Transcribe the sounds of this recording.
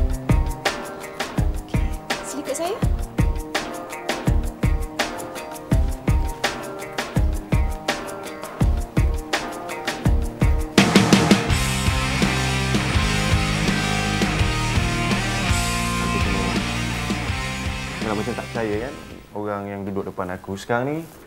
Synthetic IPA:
okʰesilikʊʔsaja | akut̪uməla | kalamat͡ʃamt̪aʔt͡ʃajakan | oɣaŋjaŋdudʊk̚dəpanakusə̥kaɾaŋni

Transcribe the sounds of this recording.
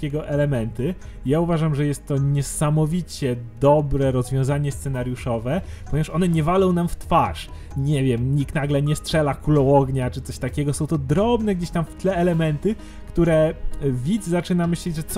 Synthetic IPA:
kʲɛɡɔʔɛlɛmɛnt̪ɘ | jauvaʐamʐɛjɛst̪ːɔɲɛsamɔvʲit͡ɕɛd̪ɔbɾɛɾɔzvʲjɔ̃w̃zaɲɛst̪sɛnaɾjuʂɔvɛpɔɲɛvaʂɔnɛɲɛvalɔ̃w̃namft̪faʂ | ɲɛvʲjɛmɲikt̪naɡlɛɲɛstʂɛlakulɔwɔɡɲat͡ʂɘt̪sɔɕt̪akʲɛɡɔsɔ̃w̃t̪ɔd̪ɾɔbnɛɡd͡ʑeɕt̪amft̪lɛːlɛmɛnt̪ɘ | kt̪uɾɛvʲid̪zzat͡ʂɘnamɘɕlɛd͡ʑʐɛt̪s

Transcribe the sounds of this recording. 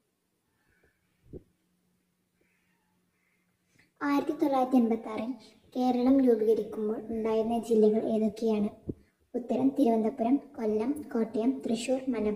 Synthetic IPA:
aːjiɾɐt̪ːit̪olːaːjɾɐt̪ːienbɐt̪ːaːrim | ke̞ːɾɐɭɐmluːbiɣɐɾikʲːumboːɭuɳɖaːjiɾnːɐd͡ʑilːɐɣɐɭʔe̞ːðokːejaːɳɨ | ut̪ːɐɾɐmt̪iɾubɐnd̪ʱɐpːuɾɐmkolːɐmko̞ːʈːɐjɐmt̪rɨɕuːrmɐnɐm

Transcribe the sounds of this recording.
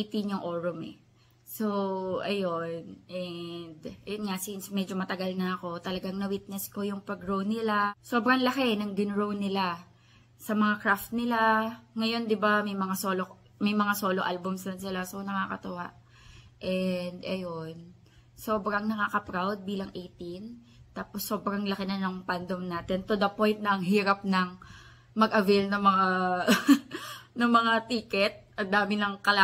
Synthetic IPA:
it̪iɲʊŋʔoɹʊmɛ̰ | soʔɐjo̞nʔɛnd̪ʔɐjonŋasinsmɛd͡ʒo̞mɐt̪ɐɡalnɐɐko̞t̪ɐlɐɡaŋnɐwit̪̚nɛsko̞jʊŋpɐɡɹownɪlaso̞ːbɾɐŋlɐkenɐŋɡɪnɹownɪla | sɐmɐŋakɹaft̪̚nɪlaŋɐjo̞nd̪ɪbamɐjmɐŋaso̞ːlo | mɐjmɐŋasoːloʔalbʊmsɐnsɪlasonɐŋaːkɐt̪ʊwa̰ʔ | ʔɛnd̪ʔɐjon | so̞ːbɾɐŋnɐŋaːkɐpɾawd̪̚biːlɐŋʔejt̪in | t̪aːposːo̞ːbɾɐŋlɐkɪnɐnoŋpand̪omnaːt̪ɛnt̪od̪ɐpo̞jnt̪̚nɐɐŋɦiːɾɐp̚nɐŋ | mɐɡʔɐvelnɐŋmɐŋa | nɐŋmɐŋat̪iːkɛt̪̚ʔɐnd̪aːmɪnɐŋkɐla

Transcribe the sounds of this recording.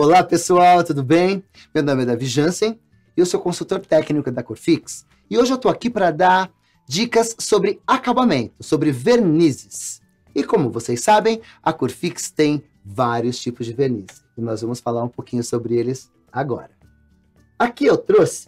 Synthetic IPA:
olapesuawt̪ud̪ʊbẽj̃ | mewnõmɪɛd̪ɐviʒɐ̃sẽj̃ | ɪewsokõsuwt̪oɾt̪ɛknikʊd̪ɐkoɾfiks | ɪoʒɪewt̪owakipɾɐd̪aɾ | d͡ʒikɐsːobɾɪakabamẽnt̪ʊsobɾɪveɾnizɪs | ɪkõmʊvosejsːabẽj̃ | ɐkoɾfikst̪ẽj̃ | vaɾiʊst͡ʃipʊzd͡ʒɪveɾnizɪnɔzvɐ̃mʊsfalaɾũpokĩɲʊsobɾɪelɪs | aɡɔ̰ɾɐ | akiewt̪ɾosɪ̥

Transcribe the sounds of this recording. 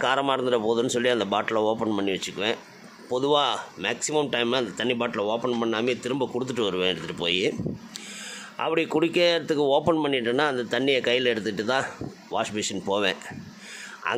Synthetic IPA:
kaːɾɐmaːɪɾɯnd̪ɯɾɐpoːðɯnːɯsɔlːiɐnd̪ɐpaːʈːɪlɐoːpɐnpɐɳːiʋɐt͡ʃːɯkːɯʋẽː | pɔðɯʋaːmɛːksɪmɐmʈɐɪmaːɐnd̪ɐt̪ɐɳːɪpaːʈːɪlɐoːpɐnpɐɳːaːmeːt̪ɪɾɯmbɐkʊɽɯt̪̬ːɯʈːɯʋɐɾɯʋẽːɛɽɯt̪ːɯʈːɯpo̰ːji | ʔɐ̰pːɐɽɪkʊɽɪkːɐɾɐt̪ːɯkːɯoːpɐnpɐɳːɪʈːɯnːaːɐnd̪ɐt̪ɐɳːɪjɐkɐjːɪlɛɽɯt̪ːɯʈːɯt̪ãː | ʋaːʂbeːʂɐnpoːʋḛ̃ː | ʔɐ̰

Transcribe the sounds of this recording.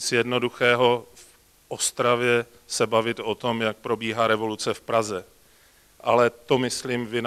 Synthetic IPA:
t͡sjɛdno̞duxɛːɦo̞f | ʔost̪ɾavjɛ | sɛbavɪt̪ʔot̪o̞mjak̚pɾo̞biːɦaːɾɛvo̞lut͡sɛfpɾazɛ | ʔalɛt̪omɪsliːmvɪn

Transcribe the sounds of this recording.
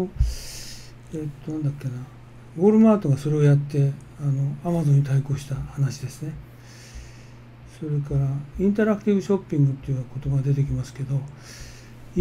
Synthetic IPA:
eːt̪ːo̞nãnd̪akːena | ɡo̞ːɾɯ̟maːt̪o̞ɡaso̞ɾe̞ojat̪ːe̞ano̞amazõ̞ɲ̟ːit̪aiko̞ːɕi̥t̪ahanaɕid̪e̞sɨne̞ | so̞ɾe̞kaɾaĩnt̪aɾakɯ̟̥t̪ʲibɯ̟ɕo̞pʲːĩŋɡɯ̟t̪ːejɯako̞t̪o̞baɡad̪e̞t̪e̞k̬ʲimasɨ̥ke̞d̪o̞

